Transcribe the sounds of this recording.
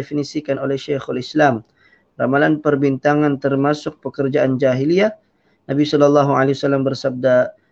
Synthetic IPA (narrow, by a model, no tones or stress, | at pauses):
efinisikanolɛhʃexalislam | ra̰malanpərbint̪aŋant̪ərmasʊk̚pəkərd͡ʒaʔand͡ʒaɦilia | nabisɔlɔlːɑɦualewasalːambərsab̚da